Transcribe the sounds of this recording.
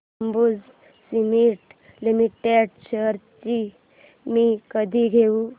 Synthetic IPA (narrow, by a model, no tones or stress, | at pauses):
mbud͡z | simiʈ | limiʈeɖt͡ɕəɾt͡ɕi | mikəd̪ʱiɡʱeu